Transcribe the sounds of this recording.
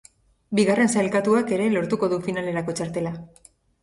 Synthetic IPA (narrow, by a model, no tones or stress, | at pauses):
biɣare̞nsajlkat̪uake̞ɾe̞lo̞ɾt̪uko̞ðufinale̞ɾako̞t͡ʃaɾt̪e̞la